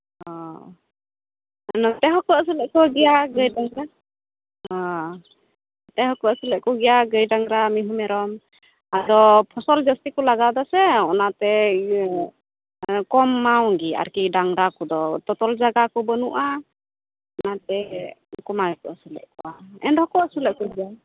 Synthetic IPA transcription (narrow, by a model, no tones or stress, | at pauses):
ɔ | nɔt̪ɛɦɔkɔas̬ilɛʔkɔɡɛjaɡəjdaŋɾa | ɔ | t̪ɛɦɔkɔasilɛʔkɔɡɛjaɡəjdaŋɾamiɦumɛɾɔm | adɔpʰɔsɔld͡ʒəstikɔlaɡad̪asɛɔnat̪ɛ | kɔmːawŋɡia̰ɾkidaŋɾakɔd̪ɔt̪ɔt̪ɔld͡ʒaɡakɔbɔnuʔa | ɔnat̪ɛkɔmakɔasulɛ̰ʔkɔwaɛ̰ndhɔkɔasulɛʔkɔɡia